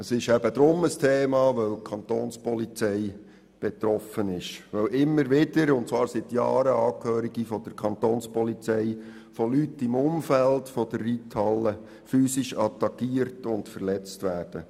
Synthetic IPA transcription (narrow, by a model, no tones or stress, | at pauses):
əsɪʃæbəd̪ɾʊməstʰeːmɑːʋœwkʰɑnt̪oːnspɔlit͡sɛɪ | b̥ɛt̪ɾɔfənɪʃʋœwʔɪmːəɾʋɪd̥əɾʊnt̚t͡svɑːɾsɪtjɑːɾəɑːkhøːɾiɡifɔd̥̪əɾkʰɑnt̪oːnspɔlit͡sɛɪ | fɔlytːɪmʊmfæltfɔd̥ərːitʰhɑlːə | fyːsiʃɑt̪ɑkːiːərtʊntfərlɛt͡stʋæːrd̥ə